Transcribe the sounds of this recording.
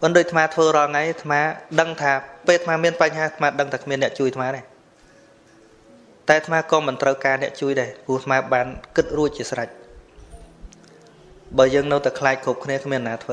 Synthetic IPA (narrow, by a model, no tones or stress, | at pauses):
pɨnɗoːc̚t̪ʰmaːt̪ʰʋəːɾɑːlŋajt̪ʰmaːɗəŋt̪ʰaːpeːlt̪ʰmaːmiənpaɲɦaːt̪ʰmaːɗəŋt̪ʰaːkʰmiənːɛ̆əʔt͡ɕuəjt̪ʰmaːɗaɛ | t̪aɛt̪ʰmaːkɑːmɨnt̪rəwkaːnɛ̆əʔt͡ɕuəjɗaɛpʊəht̪ʰmaːɓaːnkɨt̪̚ruəc̚t͡ɕiəsrac̚ | ɓəːjəːŋnɨwt̪akʰlaːc̚kʰuːp̚kʰniəkʰmiənanaːt̪ʰʋəː